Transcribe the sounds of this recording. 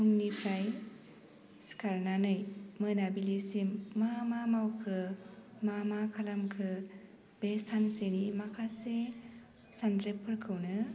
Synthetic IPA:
huŋnipʰɾaj | skʰaɾnanɯjmɯnabilisimːamamawkʰɯmamakʰalamkʰɯ | b̥esansenimakʰase | sandɾepʰːɯɾkʰɯwnɯ

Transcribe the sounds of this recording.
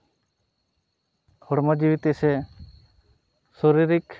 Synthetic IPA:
ɔɽmɔd͡ʒiwit̪isɛ | soɾiɾik

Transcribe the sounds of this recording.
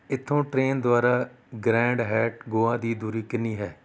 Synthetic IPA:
ɪt̪ʰːõːʈɾeːnd̪ʊaːɾaː | ɡɾɛ̃ːɳɖɦɛːʈɡoːãːd̪iːd̪uːɾiːkɪnːiːɦɛː

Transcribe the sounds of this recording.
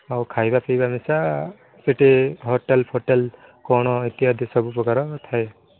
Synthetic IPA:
awkʰajbapʰejbamisa | seʈeɦɔʈelpʰɔʈel | kɔɽ̃ɔit̪iɦad̪isɔbupɾɔkaɾɔt̪ʰae

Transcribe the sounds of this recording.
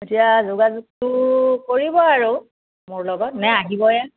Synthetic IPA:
etijazʊɡazuk̚tʊkoɹibɔaɹu | mʊɹlɔɡɔtnɛaɡibɔjɛ

